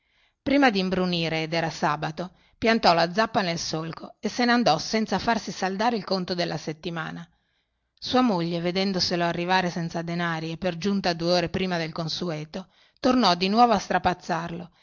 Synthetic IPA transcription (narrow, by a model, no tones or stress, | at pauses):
pɾiːmad̪imbɾuniːɾeːd̪ɛːɾasaːbat̪o | pjant̪ɔlad̪zapːanelsolkoeseneand̪ɔsɛnt̪safarsisald̪aːɾeilkont̪od̪elːaset̪ːima̰ːna | suːamoʎːeved̪ɛnd̪oseloarːivaːɾesɛnt̪sad̪enaːɾiepːerd͡ʒunt̪ad̪ueɔːɾepɾiːmad̪elkonsuɛːt̪o | t̪ornɔd̪inwɔːvoast̪ɾapat̪sːarlo